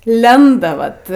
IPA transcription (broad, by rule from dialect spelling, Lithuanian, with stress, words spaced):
ˈlʲɛndɐ ˈʋɐt